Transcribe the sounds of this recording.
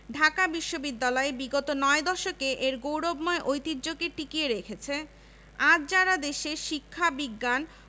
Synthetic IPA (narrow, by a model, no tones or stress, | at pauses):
ɖʱakabiʃːobid̪ːalɔebiɡot̪onɔed̪ɔʃokeʔeɾɡowɽobmɔeʔojt̪iɾd͡ʑoɡeʈikieɾekʰet͡ɕʰe | ad͡ʑd͡ʑaɾad̪eʃeʃikʰːabiɡːan